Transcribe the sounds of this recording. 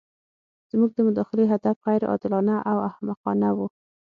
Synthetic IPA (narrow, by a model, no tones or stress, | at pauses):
z̥muɡ̚d̪əmʊd̪ɑxɪleɦad̪afɣajɾɑ̰d̪ɪlɑnaʔawahmaqɑnawu